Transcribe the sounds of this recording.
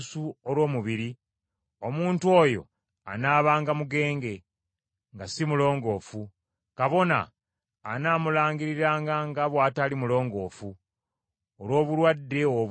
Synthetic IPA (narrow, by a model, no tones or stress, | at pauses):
suolwo̞ːmuβiɾi | o̞muːntuo̞ːjo̞̰ | a̰naːβaːŋɡamuɡe̞ːŋɡe̞ | ŋɡasimulo̞ːŋɡo̞ːfu | kaβo̞na̰ː | naːmulaːŋɡiɾiɾaːŋɡaŋɡaβwaːtaːlimulo̞ːŋɡo̞ːfu | olwo̞ːβulwadːe̞oβ